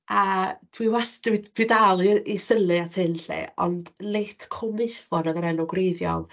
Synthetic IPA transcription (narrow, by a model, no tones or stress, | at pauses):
atʰwiwastwidʰwidalˠiisəlɨatʰɨnɬḛɔ̰ndlejtʰkʰɔmɪθvɔnɔðəɾɛnɔɡrejvjɔ̰lˠ